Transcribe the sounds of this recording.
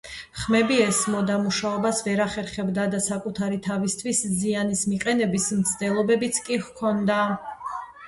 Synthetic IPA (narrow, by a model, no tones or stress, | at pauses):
χmɛbiɛsmɔd̪amuʃaɔbasvɛɾaχɛɾχɛbd̪ad̪asakʼut̪ʰaɾit̪ʰavist̪ʰwiszianismiqʼɛnɛbismt̪sʰd̪ɛlˠɔbɛbit̪sʰkʼihkʰɔnd̪a